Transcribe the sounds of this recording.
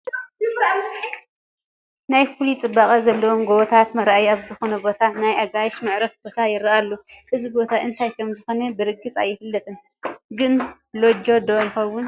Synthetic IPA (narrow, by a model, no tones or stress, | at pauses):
najfulit͡sʼɨbːakʼɐzɐlːɐwomɡowɔt̪ʰat̪mɐɾʔajaβzɨxonɐbo̞t̪ʰanajʔaɡaʃmɨʕɾɐfb̥o̞t̪ʰajɪɾɐʔalːoʔɨzibo̞t̪ʰaʔɨnt̪ʰajkʰɐmzɨxonɐbɨɾɨɡɨt͡sʼa̰jːɪfɨlːɐt̪ʼɨn | ɡɨn | lod͡ʒo̞d̪ojɪxɐwːʊn